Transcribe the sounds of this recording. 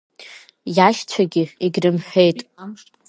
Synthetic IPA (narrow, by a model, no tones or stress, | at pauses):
jaʃt͡sʷʰaɡʲɪiɡʲrɨmħʷᶣe̞jtʼ